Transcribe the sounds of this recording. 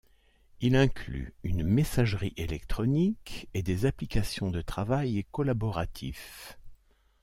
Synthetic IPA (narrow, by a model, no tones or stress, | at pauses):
ilɛ̃kly̰ynmesaʒʁiʔelɛkt̪χɔniked̪ezaplikasjɔ̃d̪ət̪χavajkɔlabɔʁat̪ʰḭf